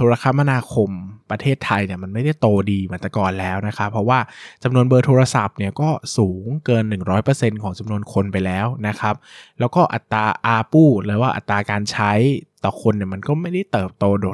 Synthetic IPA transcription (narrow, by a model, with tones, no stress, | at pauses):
t̪ʰoː˧ɾa˧kʰa˦˥mːa˧naː˧kʰo˧mpɾa˧t̪ʰeː˥˩t̪ʰːa˧jni˥˩ɐma˧nma˥˩jda˥˩jt̪oː˧diː˧ma˩˦nt̪a˧kɔː˧nlɛː˦˥wna˦˥kʰa˦˥pʰːɾɔ˦˥waː˥˩t͡ɕa˧mnu˧ənbɤː˧t̪ʰoː˧ɾa˧sa˨˩p̚ni˥˩ɐkɔː˥˩suː˩˦ŋkɤː˧nːɯ˨˩ŋɾɔː˦˥jpɤ˧se˧nkʰɔː˩˦ŋt͡ɕa˧mnu˧ənkʰo˧npa˧jlɛː˦˥wna˦˥kʰa˦˥p̚lɛː˦˥wkɔː˥˩ʔa˨˩t̪ːaː˧ʔaː˧puː˥˩ɾɯː˦waː˥˩ʔa̰˨˩t̪ːɾaː˧kaː˧nt͡ɕʰa˦˥jt̪ɔː˨˩kʰo˧nːi˥˩ɐma˧nkɔː˥˩ma˥˩jda˥˩jt̪ɤː˨˩p̚t̪oː˧do˨˩